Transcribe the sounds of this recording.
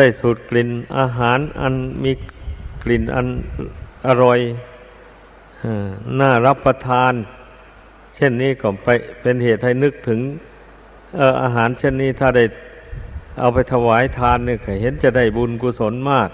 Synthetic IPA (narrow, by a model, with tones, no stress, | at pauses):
da˧˩jsuː˨˩t̪̚kli˨˩nʔa̰ː˧ɦaː˩˦nʔa̰˧nmiː˧˥kli˨˩nʔa̰˧nʔa˧ɾɔ˧j | aː˧˩naː˧˩ɾa˦˥˩pːa˧t̪ʰaː˧n | t͡ɕʰe˥˩nːiː˧˥˩kɔː˧˩pa˧jpe˧nheː˨˩t̪̚ha˥˩jnɯ˦˧˥k̚t̪ʰɯ˨˩˦ŋ | ʔɤː˧˩ʔa̰ː˧ɦaː˩˦˥nt͡ɕʰe˥˩nːiː˧˩t̪ʰaː˧˩da˥˩j | ʔa˧wpʰa˧jt̪ʰa˧waː˨˦jt̪ʰaː˧nːiː˧˩kʰa˧˩ɦe˨˦nt͡ɕa˨˩da˥˩jbu˧nkuː˧so˨˦nmaː˥˩k̪̚